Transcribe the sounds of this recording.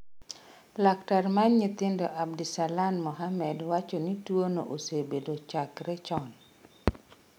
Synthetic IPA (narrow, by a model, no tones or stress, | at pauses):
laktarmanɲit̪ɪndoʔabdisalanmɔɦamɛdwat͡ʃonitwono̰ʔosebedot͡ʃakɾɛt͡ʃɔn